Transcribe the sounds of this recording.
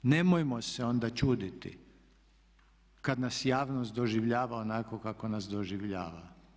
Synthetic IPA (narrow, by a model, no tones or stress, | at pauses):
ne̞mojmo̞seo̞nd̪at͡ʃuːd̪it̪ḭ | kad̪nasjaːʋno̞st̪d̪oʒiʋʎaːʋaonako̞kako̞nasd̪oʒiʋʎaːʋa̰